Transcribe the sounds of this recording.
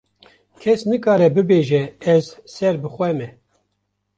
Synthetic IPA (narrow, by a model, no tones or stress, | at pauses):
kʰɛsnɨkɑːɾɛbɨbeːʒɛɛzsɛɾbɨxʷwʷɛmɛ